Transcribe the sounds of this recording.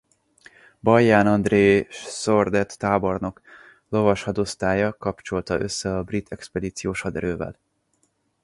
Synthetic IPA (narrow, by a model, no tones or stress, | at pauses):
bɒjːaːnɒnd̪reːsord̪ɛt̪ːaːborno̞k | lo̞vɒʃhɒd̪ost̪aːjɒkɒpt͡ʃo̞lt̪ɒʔø̞sːɛɒbrit̪ʰɛkspɛd̪iːt̪sijoːʃhɒd̪ɛɾøːvɛ̰l